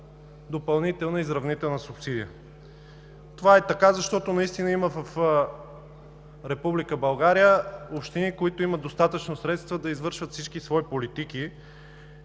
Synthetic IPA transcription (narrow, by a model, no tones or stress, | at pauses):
d̪opɐlˠnit̪ɛlˠnəizɾɐvnit̪ɛlˠnəsʊpsid̪ijə | t̪ovaɛt̪ɐkazɐʃt̪ɔt̪onɐist̪inəiməvəf | ɾɛpublikəbɐlˠɡaɾijəopʃt̪inikoit̪oiməd̪ost̪at̪ət͡ʃnosɾɛt̪st̪vəd̪ɐizvɤɾʃvət̪fsit͡ʃkisvɔipolit̪iki